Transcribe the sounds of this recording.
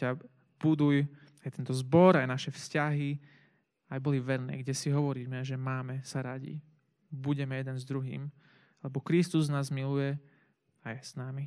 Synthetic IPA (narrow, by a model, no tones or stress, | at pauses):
a | b̥ud̪uj | ajt̪ɛnt̪ɔzbɔɾajnaʃɛfscaɦi | ajbɔliʋɛɾnɛ̰ːɡɟɛsiɦɔʋɔɾiːmɛʒɛmaːmɛsaɾaɟḭ | buɟɛmɛjɛd̪ɛnzd̪ɾuɦḭːm | lɛbɔkɾist̪uznaːzmilujɛ | ajɛsnami